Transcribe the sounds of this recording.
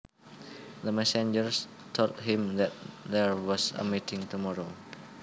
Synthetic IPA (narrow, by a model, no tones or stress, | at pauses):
d̪əmɛsɛ̃nd͡ʒəɹs | tʰot̚ɦĩmd̪ɛt̚d̪ɛɹwɔsə̰mitɪ̃ŋtumɔɹo